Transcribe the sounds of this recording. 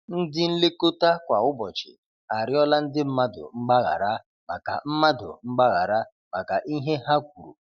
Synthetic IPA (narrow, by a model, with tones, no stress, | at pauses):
n̩˦dɪ˦n̩˦le˦ko˦ta˦kʷa˨ʊ˦bɔ˨t͡ʃɪ̰˨ | a˨ɾɪ˦ɔ˦la˦n̩˦dɪ˦m̩˦ma˦dʊ̰˨ŋ͡m̩˦ɡ͡ba˦ɣa̰˨ɾa˦ | ma˨ka̰˨m̩˦ma˦dʊ̰˨ŋ͡m̩˦ɡ͡ba˦ɣa˨ɾa˦ | ma˨ka˨ʔi˦ɦe˦ɦa˦kʷu˨ɾṵ˨